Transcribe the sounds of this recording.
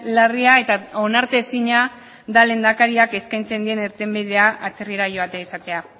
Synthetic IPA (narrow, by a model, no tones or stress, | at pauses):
lariae̞t̪ao̞naɾt̪e̞siɲa | d̪ale̞nd̪akaɾiake̞skajnt͡se̞nd̪ie̞neɾt̪e̞mbiðe̞aʔat͡se̞riɾaʝo̞at̪e̞aisat̪e̞a